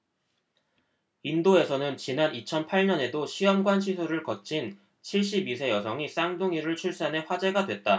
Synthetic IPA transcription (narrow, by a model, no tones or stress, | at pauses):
indoe̞sʰʌnɯnt͡ɕinanit͡ɕʰʌnpʰaɭɲʌne̞doɕʰiʌmɡwanɕʰisʰuɾɯɭkʌt͡ɕʰin | t͡ɕʰiɭɕ̬͈ibis̬ʰe̞jʌsʰʌŋis͈aŋdoŋiɾɯɭt͡ɕʰuɭs͈ane̞ɸwad͡ʑe̞ɡadwe̞t̚t͈a